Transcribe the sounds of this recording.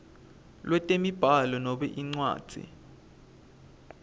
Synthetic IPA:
lwɛtʼemib̥ʱalɔnɔɓɛʔiŋ͡ǀwa̰ːd̥ʱḭ

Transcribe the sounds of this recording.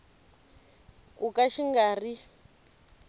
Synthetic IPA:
kʼukaʃiŋɡaːri

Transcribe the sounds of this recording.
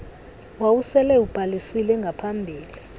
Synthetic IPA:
wawusɛlɛub̥ʱalisilɛŋɡʱapʰambʱiːli

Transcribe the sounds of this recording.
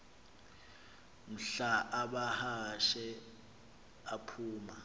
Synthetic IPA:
m̩ɬaʔaɓahaʃɛ | apʰuːma

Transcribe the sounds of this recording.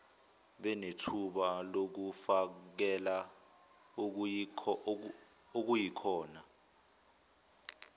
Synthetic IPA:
ɓɛnetʰuɓalok̬ufak̬ɛla | ok̬ujikʰɔːna

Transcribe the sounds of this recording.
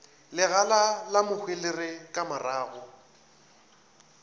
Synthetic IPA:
lɪɣalalamʊhwɪlɪrɪkʼamaraːɣʊ

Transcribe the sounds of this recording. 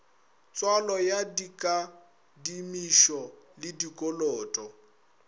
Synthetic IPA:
t͡sʼwalɔjadikʼa | dimiʃɔlɪdikʼɔlɔːtʼɔ

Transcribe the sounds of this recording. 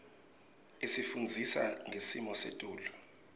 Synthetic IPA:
isifund͡zʱisa̰ŋesimɔsḛtʼuːlu

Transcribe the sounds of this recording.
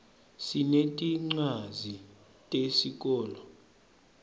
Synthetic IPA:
sinetʼiŋ͡ǀazi | tʼesik̬ʼɔːlɔ

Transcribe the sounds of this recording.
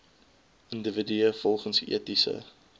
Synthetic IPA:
ʔəndəvədyəfɔlˠχənsḭətisə̰

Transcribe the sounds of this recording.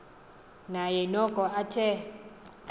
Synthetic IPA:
najɛnɔkʼɔʔatʰɛ

